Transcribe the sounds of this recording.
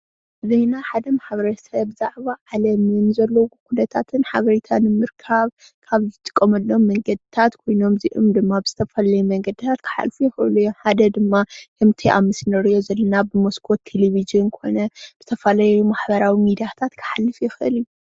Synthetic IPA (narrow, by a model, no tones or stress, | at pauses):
zɐjnaħad̪ɐmaħbɐɾɐsɐβzaʕβaʕalɐmɨnzɐlːowkʰunɐt̪ʰat̪ʰɨnħaβɐɾit̪ʰanɨmɨɾkʰaβ | kʰaβzɨt̪ʼɨ̥kʼːɐmɐlːo̞mːɐŋɡɐd̪ɨt̪ʰat̪kʰo̞jno̞mziʔɨ̰md̪ɨmːabɨz̥ɨt̪ʰɐfalajumɐŋɡɐd̪ɨt̪ʰat̪kʰɨ̥ħa̰lfujɛxɨʔɨ̰lɐjomħad̪ɐd̪ɨmːakʰɨmt̪ʰiʔa̰mɨsnɐɾijo̞zɐlːɐnabɨmoskʰot̪ʰːeleβiʒɨnkʰo̞̰nɐb̥ɨt̪ʰɐfalajumaħbɐɾawimid̪ijat̪ʰat̪kʰɨ̥ħalːɨfjɛxɨʔɨlju